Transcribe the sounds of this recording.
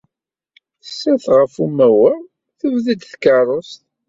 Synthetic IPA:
θə̥sːæθʁəfumæwə | θəvðid̪θkɑrˤːost̪

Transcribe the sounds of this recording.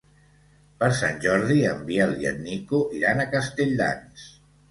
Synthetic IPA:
pəɾsanʲʒɔɾðiəmbiəlˠiə̰nnikuʔiɾanəkəst̪eʎd̪a̰ns

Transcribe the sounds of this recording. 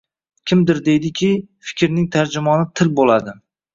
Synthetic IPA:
kʲʰɪmd̪ɪɾd̪e̞jd̪ɪkʲʰɪfɪ̥kʲɾnɪŋt̪ʰaɾd͡ʒʊmɒnɪt̪ʰɪlbolad̪ɪ

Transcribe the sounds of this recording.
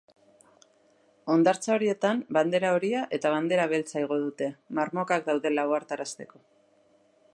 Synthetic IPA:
o̞nd̪aɾt͡sao̞ɾie̞t̪amband̪e̞ɾao̞ɾiaʔe̞t̪aβ̞and̪e̞ɾaβ̞e̞lt͡sajɣ̞o̞ðut̪e̞marmo̞kak̚d̪awðe̞lawaɾt̪aɾast̪e̞ko̞

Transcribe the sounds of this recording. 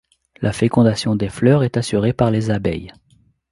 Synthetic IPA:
lʔafekɔ̃d̪asjɔ̃d̪eflœʁɛt̪asyʁepaʁlezabɛ̰j

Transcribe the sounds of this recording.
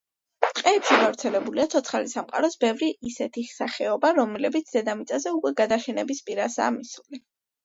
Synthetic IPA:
qʼɛːpʃiɡavɾt̪sʰɛlɛbuliat̪sʰɔt̪sʰχalisamqʼa̰ɾɔsbɛvɾiisɛt̪ʰisaχɛɔbaɾɔmɛlɛbit̪sʰd̪ɛd̪amit̪sʼazɛukʼwɛɡad̪aʃɛnɛbispʼiɾasa̰ːmisuli

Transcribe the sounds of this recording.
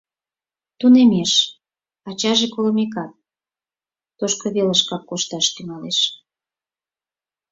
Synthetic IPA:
t̪unemeʃ | ɑt͡ɕɑʒekoləmek̬ɑt̪̚ | oʃkoβeləʃkɑkːoʃt̪ɑʃt̪yŋɑleʃ

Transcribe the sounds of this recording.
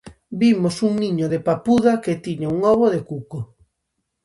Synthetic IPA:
bimosuŋniɲoðepapuðaket̪iɲauŋɔβoðekuko

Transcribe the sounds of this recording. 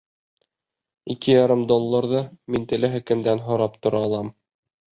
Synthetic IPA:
ikɘjɑɾɤmd̪olˠːɑɾðɤmint̪ɘ̆lɘɦɘ̆kɘ̆nd̪ænɦŏɾɑpt̪ŏɾɑːlˠɑm

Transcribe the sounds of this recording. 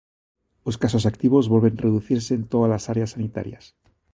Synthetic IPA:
oskasosakt̪iβ̞o̞zβolβe̞nreðuθiɾse̞ːnt̪oðalasaɾeasːanit̪a̰ɾja̰s

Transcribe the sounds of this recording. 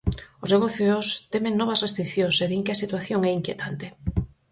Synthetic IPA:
ʊzneɣ̞oθjost̪ɛmeŋnɔβɐsrest̪ɾikθjõŋseðiŋkeɐsit̪waθjoŋɛiŋkjet̪ʰant̪ɪ

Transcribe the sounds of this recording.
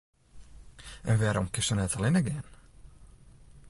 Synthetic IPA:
ʔənʋɛɾɔmkɪsənɛtʰəlɪnəɡɪːn

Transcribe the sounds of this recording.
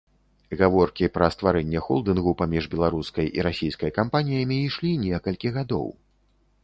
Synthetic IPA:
ɣavɔrkʲipɾɐst̪vaɾɛnʲːɛxɔ̰lˠd̪ɨnɣupamʲiʐbʲɛlˠaɾuskɐjʔḭɾasʲijskɐjkampanʲijɐmʲiːʂlʲinʲɛkɐlʲkʲiɣad̪ɔ̰w

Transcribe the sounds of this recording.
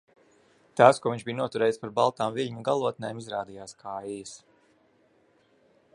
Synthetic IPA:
t̪aːskuɔiɲt͡ʃbijnuɔt̪uɾɛːjspaɾbalˠt̪aːmviʎʲɲuɡalˠuɔt̪̚nɛjmizɾaːd̪ijaːskʰaːjjɐs

